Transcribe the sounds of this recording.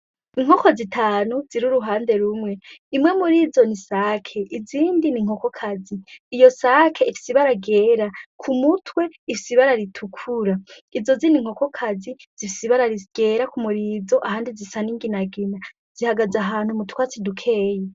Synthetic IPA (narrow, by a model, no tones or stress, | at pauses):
iŋ̥hoko̞zitʰaːnuziɾuɾuɦaːnde̞ɾumŋe̞imwe̞muɾizo̞nisakʰe̞ʔiziːndiniŋ̥okokʰaziːjo̞sakʰe̞ifi̥siβaɾaɡeːɾakʰumutʰwe̞ifisiβaɾaɾitʰukʰuɾa | izo̞ziniŋ̥ho̞ko̞kʰaziz̥ifisiβaɾaɾiɡ̥e̞ɾakumuɾiːzo̞ʔahaːndizisaniŋɡinaɡina | z̥ihaɡazaɦaːn̥humutwat͡sidukʰe̞ːje